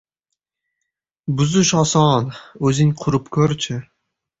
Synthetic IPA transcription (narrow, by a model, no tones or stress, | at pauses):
bʊzʊʃɒsɒnɵzɪŋqʰʊɾɪpkʲʰɵɾt͡ʃʰɪ